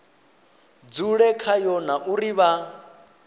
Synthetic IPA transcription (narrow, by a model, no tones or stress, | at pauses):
d͡zuɺɛkʰajɔnaʔuɾiβa